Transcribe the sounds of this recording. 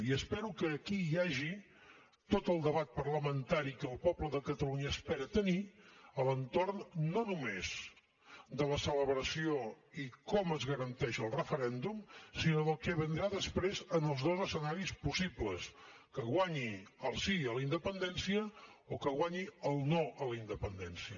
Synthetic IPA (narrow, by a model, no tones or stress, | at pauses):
iəspɛɾukəːkijaʒi | t̪ot̪əlˠd̪əβat̪̚pərləmənt̪aɾikəːlˠpɔpləðəkət̪əluɲəːspɛɾət̪əniələnt̪ornːonumez | d̪ələsələβɾəsio | ikɔməzɣəɾənt̪ɛʃəlˠrəfəɾɛnd̪umsinoðəlˠkɛβənd̪ɾaðəspɾezənəlˠzðozəsənaɾispusibləs | kəɣwaɲiəlˠsiələind̪əpənd̪ɛnsiə | ɔkəɣwaɲiəlˠnoʔələind̪əpənd̪ɛnsiə